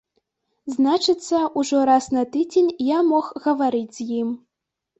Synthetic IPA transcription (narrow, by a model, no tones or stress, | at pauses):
znat͡ʂɨt̪sːɐʔuʐɔɾasnɐt̪ɨd͡zʲenʲjamɔxɣɐvaɾɨd͡zʲzjim